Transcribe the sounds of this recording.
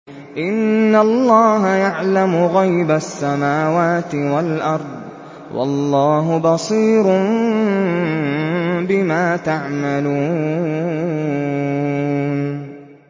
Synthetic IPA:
ʔɪnːalˤːɑːɦajaʕlamʊɣajbasːamaːwaːt̪ɪwalʔɑɾˤd̪ˤ | wʔɑ̰lːɑːɦʊbɑsˤiːɾʊ | bɪmaːt̪aʕmaluː | n

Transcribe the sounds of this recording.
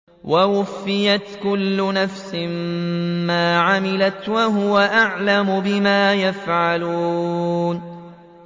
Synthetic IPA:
wawʊfːɪjat̪kʊlːʊnafsɪmmaːʕamɪlat̪waɦʊwaʔaʕlamʊbɪmaːjafʕaluːn

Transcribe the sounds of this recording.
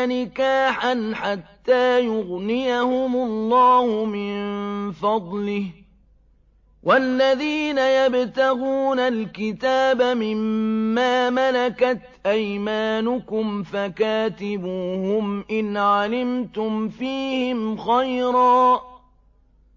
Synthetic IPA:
nɪkaːħanħat̪ːaːjʊɣnɪjahʊmʊlːɑːhʊmɪnfɑd̪ˤlɪh | wʔalːaðiːnajabt̪aɣuːnalkɪt̪aːbamɪmːaːmalakat̪ʔajmaːnʊkʊmfakaːt̪ɪbuːhʊmʔɪnʕalɪmt̪ʊmfiːhɪmxajɾɑː

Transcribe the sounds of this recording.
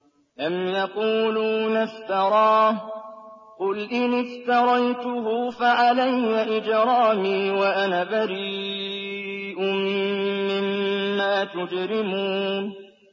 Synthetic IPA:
ʔamjɑquːluːnaft̪ɑɾˤɑːh | qʊlʔɪnɪft̪ɑɾˤɑjt̪ʊɦʊfaʕalajːaʔɪd͡ʒɾˤɑːmiːwaʔanaːbaɾiː | ʔʊ | mɪmːaːt̪ʊd͡ʒɾɪmuːn

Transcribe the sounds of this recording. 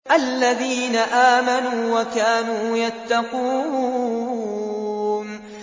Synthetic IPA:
ʔalːaðiːnaʔaːmanuːwakaːnuːjat̪ːɑquː | n

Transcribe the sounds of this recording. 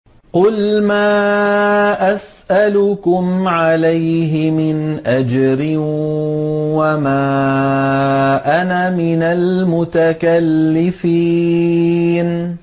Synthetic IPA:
qʊlmaː | ʔasʔalʊkʊmʕalajɦɪmɪnʔad͡ʒɾɪ | wamaː | ʔanamɪnalmʊt̪akalːɪfi | n

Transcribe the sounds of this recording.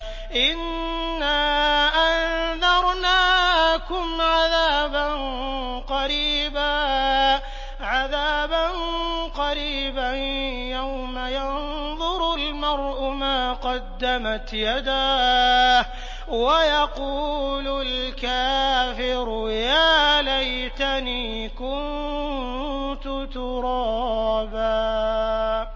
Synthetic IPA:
ʔɪnː | aːʔanðɑɾˤnaːkʊmʕaðaːban | qɑɾiːbaː | ʕaðaːbanqɑɾiːbanjawmajan | ðˤʊɾlmɑɾˤʔʊmaːqɑd̪ːamat̪jad̪aː | wajɑquːlʊlkaːfɪɾʊjaːlajt̪aniː | kʊn | t̪ʊt̪ʊɾˤɑːbaː

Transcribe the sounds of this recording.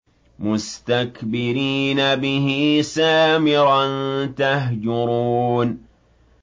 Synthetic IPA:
mʊst̪akbɪɾiːnabɪɦɪsaːmɪɾant̪aɦd͡ʒʊɾuːn

